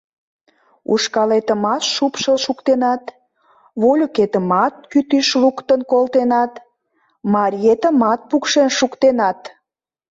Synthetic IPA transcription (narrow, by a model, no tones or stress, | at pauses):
ṵʃkɑlet̪əmɑt̪ʃupʃəlʃukt̪enɑt̪ | βolʲoket̪əmɑt̪̚kyt̪yʃlukt̪ənkolt̪enɑt̪ | mɑɾʲjet̪əmɑt̪̚pukʃenʃukt̪enɑt̪